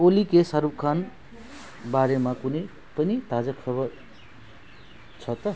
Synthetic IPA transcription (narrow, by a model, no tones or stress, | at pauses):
olikesaɾub̚kʰan | baɾemakunʌj | pʌnit̪ad͡zʌkʰʌbʌr | t͡sʰʌt̪ʌ